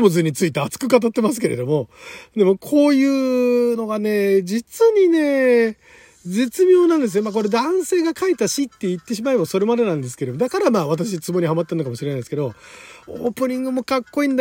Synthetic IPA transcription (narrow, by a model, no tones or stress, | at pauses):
mo̞zɨɲ̟ːit͡sɨit̪e̞at͡sɨ̥kɯ̟kat̪̬at̪ːe̞mas̬ɨ̥ke̞ɾe̞̰d̪o̞mo̞d̪e̞mo̞kʰo̞ːjɯ̟ːno̞ɡane̞ːd͡ʑit͡sɨɲ̟ine̞ | d͡ze̞t͡sɨmʲjo̞ːnãnd̪es̬ɨjmak̬o̞ɾe̞d̪ãɰ̃se̞ːɡakait̪aɕit̪ːe̞it̪ːe̞ɕ̬imaebaso̞ɾe̞mad̪e̞nãnd̪es̬ɨ̥ke̞ɾemo̞d̪akaɾamaːβat̪̬aɕ̬it͡sɨmo̞ɲ̟ihamat̪ːeɯnokamɕiɾe̞nasɨked̪o̞o̰ːpɯ̟ɲ̟ĩŋɡɯ̟mo̞kakːo̞ĩːnd̪